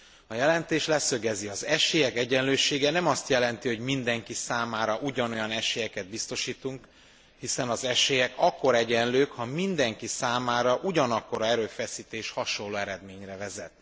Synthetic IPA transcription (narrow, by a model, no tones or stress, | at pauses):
ɒjɛlɛnt̪eːʃlɛsøɡɛziɒzɛʃeːjɛkɛɟɛnløːʃeːɡɛnɛmɒst̪jɛlɛnt̪iɦo̞ɟmind̪ɛŋkisaːmaːɾɒʔuɟɒno̞jɒnɛʃeːjɛkɛd̪̚bist̪o̞ʃiːt̪uŋk | hisɛnɒzɛʃeːjɛkɒkːo̞ɾɛɟɛnløːkhɒmind̪ɛŋkisaːmaːɾɒʔuɟɒnɒkːo̞ɾɒɛɾøːfɛsiːt̪eːʃhɒʃo̞nlːoːɛɾɛd̪meːɲrɛvɛzɛt̪